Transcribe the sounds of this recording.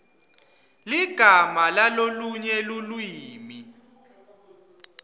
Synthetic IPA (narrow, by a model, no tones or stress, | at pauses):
liɡ̥ʱamalaloluɲɛlulwiːmi